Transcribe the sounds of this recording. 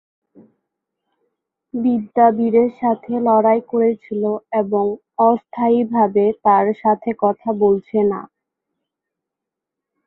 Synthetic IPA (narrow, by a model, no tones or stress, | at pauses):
bid̪ːabiɾeɾʃat̪ʰelɔɾajkoɾet͡ɕʰiloeboŋ | ɔst̪ʰaibʱabet̪aɾʃat̪ʰekɔt̪ʰabolt͡ɕʰena̰